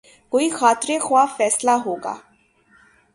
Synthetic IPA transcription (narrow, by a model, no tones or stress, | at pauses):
koːiːxaːt̪ɾeːxʊaːfɛːslaːɦoːɡa̰ː